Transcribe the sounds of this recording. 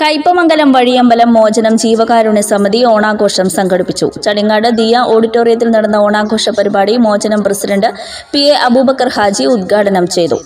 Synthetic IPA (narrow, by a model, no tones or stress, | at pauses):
kɐjpːɐmɐŋɡɐlɐmʋɐɻijɐmbɐlɐmːo̞ːd͡ʑɐnɐmd͡ʑiːʋɐɣaːɾuɳesɐmɐðio̞ːɳaːɡo̞ːʂɐmsɐŋɡɐɽipːit͡ɕːṵt͡ɕɐɽiŋːaːɽɨd̪ijɐʔo̞ːɽitːo̞ːrijɐt̪̬ːilniɽɐnːɐo̞ːɳaːɡʱo̞ːʂɐpɐɾibaːɽimo̞ːd͡ʑɐnɐmprɐsiɖɐɳɖɨ | pieʔɐbubɐkːɐrhaːd͡ʑiud̪ɡʱaːɽɐnɐmt͡ɕe̞jt̪ṵ